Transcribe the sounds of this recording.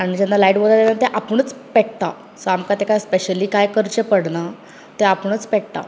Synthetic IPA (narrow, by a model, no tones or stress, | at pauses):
aɽ̃id͡ʑenːalajʈʋəɾad̪enat̪eʔapəɳ̃ət͡spɛʈ̚t̪a̰ | sɔamkat̪ekajspeɕəliːkajkəɾt͡ɕepəɽna | t̪eapəɳət͡spɛʈ̚t̪a̰